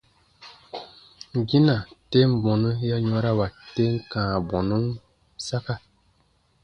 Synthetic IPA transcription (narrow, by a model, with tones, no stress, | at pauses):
ŋ˨ɡi˦na˨te˦m˦˨bɔ˨nə˦ja˦ɲɔ̃˦ɾa˦wa˨te˦ŋ˦kãː˨bɔ˨nu˦n | sa˦ka˦